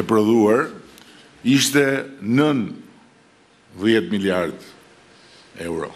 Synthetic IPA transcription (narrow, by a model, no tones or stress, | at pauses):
ɛpɾɔðuaɾ | iʃt̪ɛnən | ðjɛt̪miljaɾd̪ | ɛwɾɔ̰